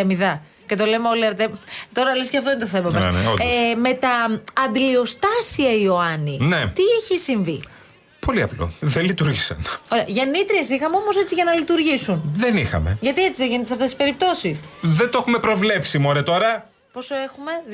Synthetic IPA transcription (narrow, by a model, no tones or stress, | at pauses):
ɐmiðɐ | ce̞t̪o̞lemeoliɐɾt̪et̪o̞ɾɐlesceɐft̪oinet̪oθemɐmɐsn̰me̞t̪ɐːnd̪ilio̞st̪ɐsiɐio̞ɐninet̪iiçisiɱvi | po̞liɐ̰plo̰ðelit̪uɾʝisɐ̰noɾeɐʝɐnit̪ɾie̞sixɐmeo̞mo̞se̞t͡siʝɐnɐlit̪uɾʝisunðe̞nixɐ̰me̞̰ʝɐt̪iet͡siðeʝinet̪sɐft̪e̞si̥spe̞ɾip̚t̪o̞sisðent̪oxume̞pɾo̞vle̞psimoɾet̪o̞ɾɐ | po̞so̞e̞xume̞